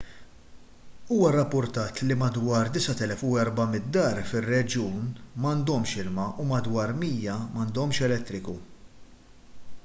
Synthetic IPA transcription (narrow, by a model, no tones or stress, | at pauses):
uːwɐrːɐpːʊɾt̪ɐːt̪limɐd̪wɐːɾd̪ɪsɐt̪ɛlɛfuɛɾbɐmɪt̪̚d̪ːɐːɾfɪrːɛd͡ʒjuːnmɐnd̪ɔmʃɪlmɐʔumɐd̪wɐːɾmiːjɐmɐnd̪ɔmʃɛlɛt̪ːɾɪku